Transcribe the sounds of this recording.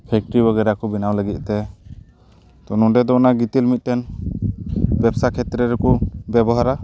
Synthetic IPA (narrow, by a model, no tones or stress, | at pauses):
pʰɛk̚ʈɾibaɡɛɾakɔbinawləɡit̪̚ˀt̪ɛ | t̪ɔnɔɖɛd̪ɔnaɡit̪ilmit̪̚ˀtɛn | bɛpsakʰɛt̪ɾɛɾɛkɔbɛbɔɦaɾa